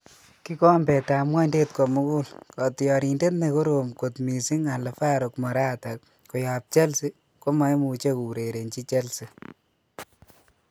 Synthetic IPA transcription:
ki˦kɔ˦mbɛ˨ta˨mwa˦nde˦t̚kɔ˨mu˦ku˦lkɔ˨tjɔ˨ɾi˨nde˦tne˨ko˦ɾomko˨tmi˨si˦ŋa˨le˨fa˦ɾokmɔ˨ɾa˦ta˨k̚ | ko˨ja˨p̚t͡ʃɛ˦lsi˦ | ko˦ma˦jmu˨t͡ʃe˦ku˨ɾe˨ɾe˨nt͡ʃi˦t͡ʃe˦lsi˨

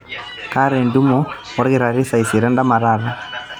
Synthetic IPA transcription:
ka˦ɾɛ˨ndu˦mɔ˦ | ɔ˦ɾɣi˦ɾa˨ɾi˦sa˨i˨si˨ɾɛ˦nda˦ma˨ɾa˦˨ɾa˦

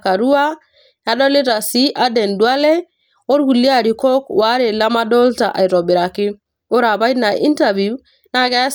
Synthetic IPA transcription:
ka˨ɾu˦wa˦ | ja˨˦ɗo˦li˦ɾa˨si˦ʔa˦de˨ndu˨a˦le˦ | o˦ɾɡu˨lːi˦a˨ɾi˨ko˦kwa˦ɾe˨la˦ma˦do˦lta̰˨ʔa̰˨jɾo˨bi˨ɾa˨ki˦ | o˦ɾa˨ba˦jna˨ʔi˦nta˨vi˨u˦ | na˦ɡa˦

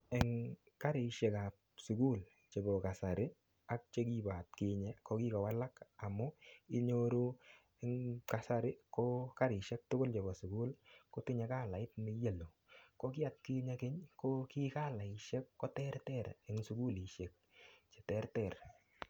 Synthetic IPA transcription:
ɛ˨ŋ | ka˦ɾɪ˨ʃe˨ka˨p̚ | su˨ku˦l | t͡ʃe˨ɡɔ˨ka˨sa˨ɾɪ˦ | a˦k̚t͡ʃe˦ki˦ba˨t̚kɪ˦ɲɛ˨kɔ˦ki˦kɔ˨wa˦la˦ka˨mɔ˦ɪ˦ɲo˦ɾu˦ | ɛŋka˨sa˦ɾɪ˦kɔ˦ka˦ɾɪ˨ʃɛ˦k̚tʊ˦ɡʊ˦lt͡ʃe˨ɡɔ˨sʊ˨ɡu˦lkɔ˦tɪ˦ɲa˨˦ka˦˨la˨ɪ˦tmɪ˦je˨lo˨ | kɔ˦kɪ˦a˨t̚kɪ˦ɲe˦kɪ˦ɲkɔ˦ki˦ka˦˨la˨ɪ˨ʃɛ˦kːɔ˦tɛ˦rtɛ˦˨ɾɛ˨ŋsʊ˨ɡu˦li˨ʃe˨k̚t͡ʃe̥˨tɛ˦ɾtɛ˨r

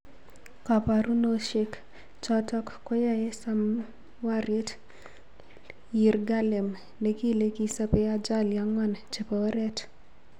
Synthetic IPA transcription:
ka˨pa˨ɾu˦no˦ʃe˦k | t͡ʃɔ˦tɔ˦kkɔ˦ja˦je˦sa˦m˦ | wa˦ɾi˦t | ji˨ɾɡa˦lɛ˨m | ne˨˦ki˦le˦ki˦sa˦pɛ˦a˦d͡ʒa˦lja˨ŋɔ˦nt͡ʃe˨pa˨˦ɾɛ˦t

